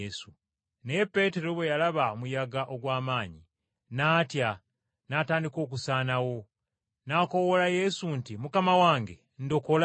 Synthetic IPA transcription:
su | neepːe̞ːte̞ɾo̞βwe̞jalaβaomujaɡaʔo̞ɡwaːmaːɲi | naːtja | naːtaːndiko̞ːk̬usaːnawo̞ | nako̞wo̞laje̞suntimukamawaːŋɡe̞̰ | ndo̞kol

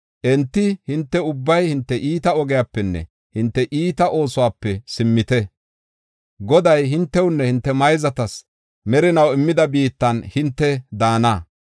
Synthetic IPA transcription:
ʔɛnt̪ːɪhɪnt̪ːɛʊbːɐjhɪnt̪ːɛʔiːt̪ɐɔɡɪjaːpːɛnːɛ̰ | hɪnt̪ːɛʔiːt̪ɐʔo̞ːsʊwaːpːɛsɪmːɪt̪ɛ | ɡɔd̪ɐjɦɪnt̪ːɛwnːɛhɪnt̪ːɛmɐjzɐt̪ɐs | mɛɾɪnɐwɪmːɪd̪ɐbiːt̪ːɐnhɪnt̪ːɛd̪aːnaː

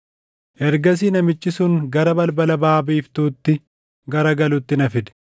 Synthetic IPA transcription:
ʔɛɾɡɐs̬iːnɐmɪt͡ʃːɪsʊŋɡɐɾɐbɐlbɐlɐbaːbiːft̪uːt̪ːɪ | ɡɐɾɐɡɐlʊt̪ːɪnɐfɪd̪ɛ̥

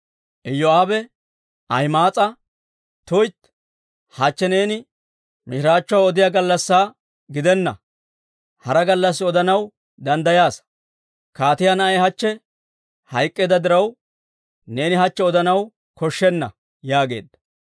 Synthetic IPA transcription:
ʔɛjːɔaːbɛ | ʔɐjmaːt͡sʼɐ | t̪ʊjt̪ | hɐt͡ʃːɛne̞ːnɪ | mɪʃɪɾaːt͡ʃːɔaɔd̪ɪjaɡɐlːɐsːaː | ɡɪd̪ɛnːɐ̰ | hɐɾɐɡɐlːɐs̬ːɔd̪ɐnɐw | d̪ɐnd̪ɐjaːs | kaːt̪ɪjaːnɐɐjhɐt͡ʃːɛ | hɐjkʼːeːd̪ɐd̪ɪɾɐw | ne̞ːnɪɦɐt͡ʃːɛɔd̪ɐnɐw | kɔʃːɛnːɐ̰ | jaːɡe̞̰ːd̪ːɐ̥

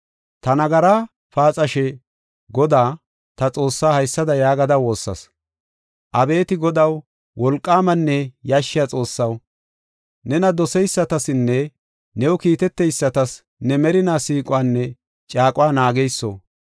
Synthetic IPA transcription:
t̪ɐnɐɡɐɾaː | faːt͡sʼɐʃɛ | ɡɔd̪aː | t̪ɐt͡sʼo̞ːsːaːhɐjsːɐd̪ɐjaːɡɐd̪ɐwo̞ːsːɐ̰s | ʔɐbe̞ːt̪ɪɡɔd̪ɐw | wɔlkʼːaːmɐnːɛjaːʃːɪjat͡sʼo̞ːsːɐw | nɛnɐd̪ɔsɛjsːɐt̪ɐsɪnːɛ | nɛwɔkiːt̪ɛt̪ːɛjsːɐt̪ɐs | nɛmɛɾɪnaːsiːkʼʊwaːnːɛ | t͡ʃʼaːkʼʊwaːnaːɡɛjsːo̰ː

